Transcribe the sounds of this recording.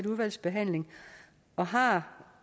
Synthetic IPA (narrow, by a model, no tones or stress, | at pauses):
d̥uðˠʋæl̰sb̥e̝ɦæn̰le̝ŋ | ɒ̽ɦɑ̈